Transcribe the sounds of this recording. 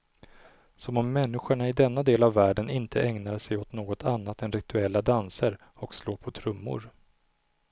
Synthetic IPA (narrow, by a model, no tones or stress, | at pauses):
sɔmɔmːɛnːɪɧəɳaɪd̪ɛnːad̪eːlavːæːɖənɪnt̪ʰəʔɛŋnaɾsɛjot̪noːɡɔt̪ʰanːat̪ɛnɾɪt̪ɵɛlːad̪ansəɾ | ɔksloːɾpʰɔt̪ʰɾɵmːʊ̰ɾ